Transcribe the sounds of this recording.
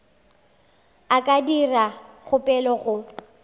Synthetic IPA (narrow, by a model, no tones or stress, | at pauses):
akʼadiraɣʊpʼɛlɔɣʊ